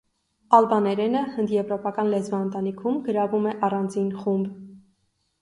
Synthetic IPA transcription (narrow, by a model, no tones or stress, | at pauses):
ɑlbɑnɛɾɛnəhənd̪jɛvɾɔpɑkɑnlɛt͡svɑənt̪ɑnikʰumɡəɾɑvumɛʔɑrɑnd͡zinχumb